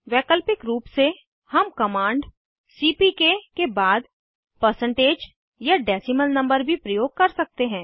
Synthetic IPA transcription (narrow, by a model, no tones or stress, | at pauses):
ʋɛːkəlpɪkɾuːpse | hɐmkɐmãːɳɖ | siːpikekebaːd̪ | pəɾsə̃ɳʈeːd͡ʒ | jaɖɛːsɪməlnɐ̃mbəɾbʱipɾəjoːɡ̚kɐɾsɐk̚t̪eɦɛ̃ː